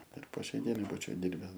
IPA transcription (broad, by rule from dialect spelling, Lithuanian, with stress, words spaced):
ɪr poː ˈʃʲɛɪ ˈdʲiɛnɐɪ ˈbuːt͡ʃʲɛʊ ˈdʲɪrʲbʲɛs